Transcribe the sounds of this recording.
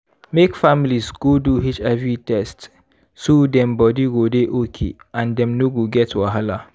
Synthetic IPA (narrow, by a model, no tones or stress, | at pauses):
mekfamilisɡ̥oduɦit͡ʃavitɛst | sodɛ̃mbɔdiɡodeʔokʰḛãndɛ̃mnoɡoɡɛtwaɦala